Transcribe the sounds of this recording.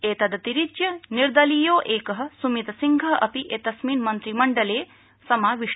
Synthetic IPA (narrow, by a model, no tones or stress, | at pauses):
eːt̪ɐd̪ɐt̪iɾit͡ʃjɐniɾd̪ɐlijoːʔeːkɐɦɐ̆sumit̪ɐsiŋɡʱɐɦʔɐpiʔeːt̪ɐsmiːnmɐnt̪ɾimɐɳɖɐleː | sɐmaːʋiʂ